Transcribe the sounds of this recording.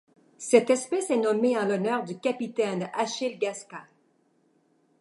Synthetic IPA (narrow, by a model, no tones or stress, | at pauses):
sɛt̪ɛspɛsɛnɔmeɑ̃lɔnœːʁd̪ykʲapit̪ɛnaʃɪlɡaska